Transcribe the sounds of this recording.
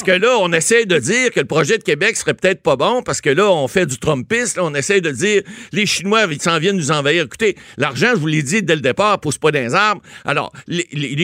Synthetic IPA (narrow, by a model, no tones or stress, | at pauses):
kəlʌɔ̃nesɛjd̪əd͡ziːʁkələpʁɔʒɛd̪əkʲebɛksə̥ʁɛpø̥t̪ɛːt̪χpɐbɔ̃paʁsə̥kəlʌɔ̃fɛdd͡zyt̪ʁɔ̃mpɪslɔɔ̃nesɛjd̪əd͡ziːʁleʃinwaisɑ̃vjɛnːnuzɑ̃vajiːʁeku̥t̪elaʁʒɑ̃ʒəvuled͡z̪id̪ɛld̪epaːʁpuspʌd̪ɛ̃ːzaʁma̰lɔ̰ːʁll